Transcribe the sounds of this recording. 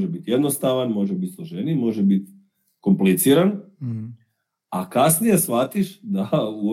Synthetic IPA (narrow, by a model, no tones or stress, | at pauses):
ʒebit̪je̞d̪no̞st̪aʋanmo̞ʒebit̪slˠoʒenimo̞ʒebit̪ | ko̞mplit̪siːɾan | akasnije̞sʋat̪iʃd̪auo